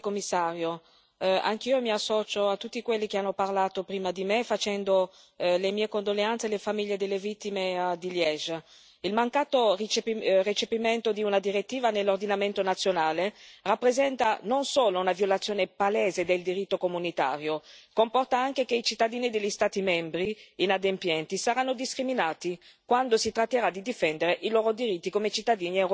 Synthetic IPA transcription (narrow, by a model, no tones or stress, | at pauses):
komːisːaːɾjo | a̰ŋk̟iːomiasːɔːt͡ʃoat̪ːut̪ːikwelːik̟eanːoparlaːt̪opɾiːmad̪imefat͡ʃɛnd̪o | lemiːekond̪oleant̪selefamiʎːed̪elːevit̪ːimed̪iljɛʒ | ilmaŋkaːt̪orit͡ʃepiret͡ʃepiment̪od̪iunad̪iɾet̪ːiːvanelːord̪inament̪onat̪sːjonaːlerapːɾezɛnt̪anonsoːlounavjolat̪sjoːnepalɛːzed̪eld̪iɾit̪ːokomunit̪a̰ːɾjokompɔrt̪aaŋk̟ek̟eit͡ʃit̪ːad̪iːnid̪elʎːist̪aːt̪imɛmbɾiːnad̪empjɛnt̪isaɾanːod̪iskɾiminaːt̪ikwand̪osit̪ɾat̪ːeɾad̪id̪ifɛnd̪eɾeʔiloːɾod̪iɾit̪ːikomet͡ʃit̪ːad̪iːniɛwɾ